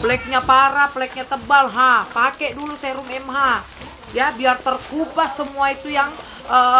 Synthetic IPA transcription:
pəlɛk̚ɲapaɾaplɛk̚ɲat̪əbalɦapakɛdulusɛɾʊmɛmɦa | jabiart̪ərkubasəmuait̪ujaŋ | ə

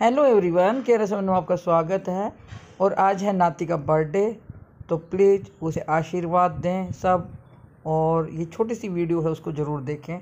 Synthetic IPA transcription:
ɦɛːloːeːʋɾiʋankɛɾɛs̬emːnõaːp̚kaswaːɡət̪ɦɛːɔːɾʔaːd͡ʒɦɛnaːt̪ikabɐɾɖet̪opliːd͡ʒʊseʔaːʃiːɾʋaːd̪̚ːẽːsɐb̚ | ɔːɾjet͡ʃʰoːʈ̬isiʋiːɖijoɦɛʊskozɐɾuːɾd̪eːkʰẽː

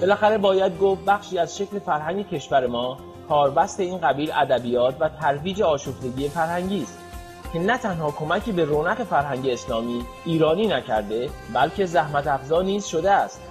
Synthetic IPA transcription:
b̥e̞læxæɾe̞bɒːjæd̪̚ɡoːf̚bæxʃiːæzʃe̞cle̞fæɾɦæɲŋɟe̞cʰe̞ʃvæɾe̞mɒː | kʰɒːɾbæst̪e̞iːnɢæbiːlʔæd̪æbijɒːt̪ʰvæt̪ʰæɾviːd͡ʒe̞ɒːʃoft̪e̞ɡiːje̞fæɾhæŋɟiːst̪̚ | cʰe̞næt̪ʰænhɒːkʰo̞mæcʰiːbe̞ɾoːnæɣe̞fæɾhæŋɟe̞ːslɒːmiː | iːɾɒːniːnæcʰæɾd̪e̞ | bælcʰe̞zæhmæt̪æfzɒːniːzʃo̞d̪eæst̪

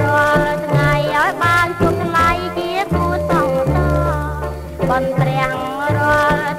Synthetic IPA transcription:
roəlt̪ʰŋajʔaɔjɓaːnt͡ɕut̪ʰlajt͡ɕiəkuəsɑt̪ɑː | ɓɑnp̪rɛ̆əŋmɾoəl

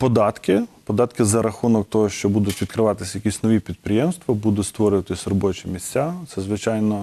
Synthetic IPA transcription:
pɔd̪ɑt̪kɪpɔd̪ɑt̪kɪzɐɾɐxunɔk̚t̪ɔɦɔʃt͡ʃɔbud̪ʊtʲʋʲid̪kɾɪʋɑt̪ɪsʲjɐkʲisʲnɔʋʲipʲid̪̚pɾʲɪjɛmst̪ʋɐbud̪ʊtʲst̪ʋɔɾʲʊʋɐt̪ɪsʲɾɔbɔt͡ʃɛmʲisʲt͡sʲːat̪sɛzʋɪt͡ʃɑjnɔ

